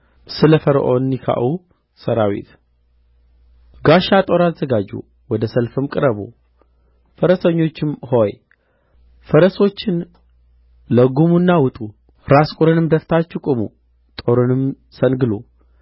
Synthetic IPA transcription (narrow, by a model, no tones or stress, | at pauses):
sɨləfəɾʔonːikʰa̰ʔu | səɾawḭt̪ | ɡaʃat̪ʼo̞ɾazːəɡad͡ʒṵ | wɔd̪əsəlfɨmkʼɨɾəbo̰ | fəɾəsəɲːo̞t͡ʃːɪmho̞j | fəɾəso̞t͡ʃːɪn | ləɡumunːawʊt̪ʼu | ɾaskʼʊɾɨnɨmd̪əft̪ʰat͡ʃːɪkʼʊmṵ | t̪ʼo̞ɾɨnɨm | sənɡɨlo̰